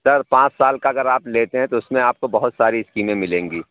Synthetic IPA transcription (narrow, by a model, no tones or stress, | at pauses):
sɐɾpãːt͡ʃsaːlkaɐɡəɾaːpleːt̪eɦɛ̃t̪oʊsmẽaːp̚kobɐɦʊt̪saːɾiɪskiːmẽmɪlẽːŋɡiː